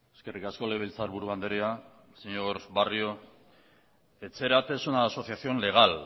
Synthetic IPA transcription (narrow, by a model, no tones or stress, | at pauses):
e̞ske̞rikasko̞leβ̞elt͡saɾβuɾuand̪eɾia | seɲo̞ɾβario̞ | e̞t͡se̞ɾat̪esunaːso̞θjasio̞nle̞ɣ̞al